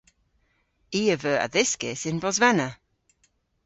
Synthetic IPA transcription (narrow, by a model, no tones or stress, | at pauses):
iːəvəːʔə̰ðɪskɪsɪnbɔzvɛnə